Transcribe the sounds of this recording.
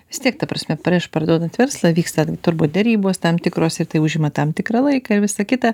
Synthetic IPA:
ʋʲɪst̪ʲiɛk̚t̪ɐpɾɐsʲmʲɛpɾʲiɪʃpɐɾd̪uɔd̪ɐnt̪ʋʲɛɾslˠɐʋʲiːkst̪ɐɡʲɪt̪ʊɾbuːt̪̚d̪ʲɛɾʲiːboːst̪ɐmt̪ʲɪkɾoːsɪɾt̪ɐɪʊʒʲɪmɐt̪ɐmt̪ʲɪkɾɐlˠɐɪkɐːɪɾʋʲɪsɐkʲɪt̪ɐ

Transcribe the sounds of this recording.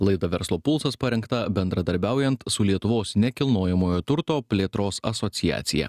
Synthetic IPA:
lˠɐɪd̪ɐʋʲɛɾslˠoːpʊlˠsɐspɐɾʲɛŋkt̪ɐbʲɛnd̪ɾɐd̪ɐɾʲbʲæˑʊjɛnt̪sʊlʲiɛt̪ʊʋoːsnʲɛkʲɪlˠnoːjɛmoːjoːt̪ʊɾt̪oːpʲlʲeːt̪ɾoːsɐsɔt̪sʲɪjæ̰ːt̪sʲɪjɛ̰

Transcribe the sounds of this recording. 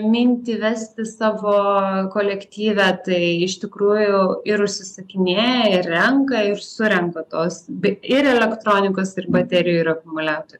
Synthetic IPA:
mʲɪnʲt̪ʲiːʋʲæsʲt̪ʲɪsɑːʋoːkoːlʲɛkt̪ʲiːʋʲæːt̪ɐɪɪʃʲt̪ʲɪkɾuːjʊɪɾʊʃʲsʲɪsɐkʲɪnʲeːjɛɪrːʲɛŋkɐɪrsʊɾʲɛŋkɐt̪oːsbʲɛɪɾɛlʲɛkt̪ɾoːnʲɪkoːsɪrbɐt̪ʲæɾʲɪjuɪɾɐkʊmʊlʲæːt̪oːjʊ

